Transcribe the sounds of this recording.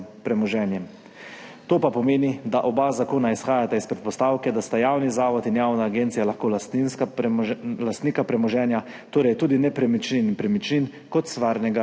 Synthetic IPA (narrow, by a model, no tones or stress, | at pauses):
pɾɛmɔʒɛːnjɛm | t̪oːpapɔmeːnid̪aʔɔbazakoːnaisxaːjat̪aispɾɛt̪̚pɔst̪awkɛd̪ast̪ajawnizaːʋɔt̪injaːwnaːɡent̪sijalaxkoːlst̪inska | last̪niːkapɾɛmɔʒɛːnja | t̪oːɾɛjt̪uːd̪inɛpɾɛmit͡ʃninpɾɛmit͡ʃnin | kɔt̪sʋaːɾnɛɡa